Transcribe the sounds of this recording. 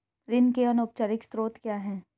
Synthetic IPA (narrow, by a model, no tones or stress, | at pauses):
ɾɪnkeɔnʊp̚t͡ʃaɾɪkst̪ɾoːt̪kjaːɦɛ̃ː